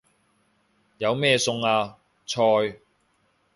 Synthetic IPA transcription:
jɐ˨˧wmɛː˥˩sʊ˧ŋaː˧ | t͡sʰɔː˧j

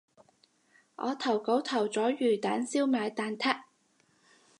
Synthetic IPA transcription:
ʔɔ̰ː˨˧t̪ʰɐ˨˩wko˨˥wt̪ʰɐ˨˩wt͡sɔː˨˥ɥyː˨˩t̪aː˨˥nsiː˥wmaː˨˧jt̪aː˨˧nt̪ʰa˥k̚

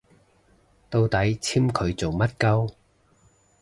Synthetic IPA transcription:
t̪o˧wt̪ɐ˨˥jt͡sʰiː˥mkʰɵ˨˧ɥt͡so˨wmɐ˥t̚kɐ˥w

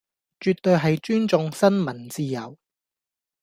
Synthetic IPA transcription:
t͡ʃyː˨t̪̚ːɵ˨˧jɦɐ˨jt͡ʃyː˥nt͡sʊ˨˧ŋsɐ˥nmɐ˨˩nt͡siː˧jɐ˨˩w

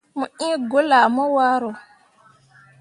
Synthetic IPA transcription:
mu˨ʔĩ˦ɡo˦la˨mɔ˦wa˦ɾo˨

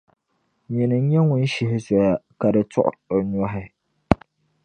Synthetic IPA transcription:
ɲi˨nɨ˨ŋ̩˦ɲɛ˦ŋʊ˦n˦ʃi˨ɦɪ˦sɔ˨ja˨ka˨dɨ˨tʊ̰˦ʔo˨ɲɔ˦ɦɪ˦

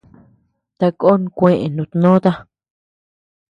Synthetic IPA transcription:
t̪a˧ko˦ñ˧kʷẽ˧ʔẽ˨nũ˧˨t̪nõ˦t̪a˦

